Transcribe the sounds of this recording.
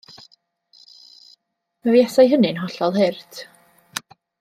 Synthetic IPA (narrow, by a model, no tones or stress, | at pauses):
mavjɛsajɦənɨnɦɔɬɔlˠɦɪrtʰ